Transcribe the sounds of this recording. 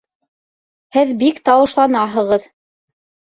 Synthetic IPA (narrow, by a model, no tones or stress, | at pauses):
hɘðbikt̪ɑwɤ̆ʃlˠɑnɑɦɤ̆ʁɤð